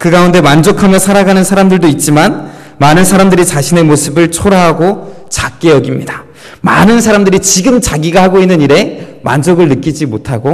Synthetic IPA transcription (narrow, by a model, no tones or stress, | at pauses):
kɯɡaunde̞mand͡ʑokʰamjʌsʰaɾaɡanɯnsʰaɾamdɯɭdoit̚t͡ɕ͈iman | manɯnsʰaɾamdɯɾit͡ɕaɕʰine̞mosʰɯbɯɭt͡ɕʰoɾaɦaɡo | t͡ɕak͈̚ejʌɡimɲida | manɯnsʰaɾamdɯɾit͡ɕiɡɯmt͡ɕaɡiɡahaɡoinːɯniɾe̞ma̰nd͡ʑoɡɯɭnɯk͈id͡ʑimotʰaɡo